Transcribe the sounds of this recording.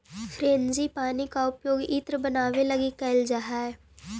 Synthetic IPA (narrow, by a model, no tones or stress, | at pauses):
fʰɾeːnzipaːnikaʊpjoːɡiːt̪ɾəbənaːʋeləɡikəld͡ʒaːɦaɛː